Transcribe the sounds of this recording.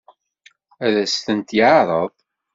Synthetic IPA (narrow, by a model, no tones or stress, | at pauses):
æðæst̪ənt̪jəʕɾˤəðˤ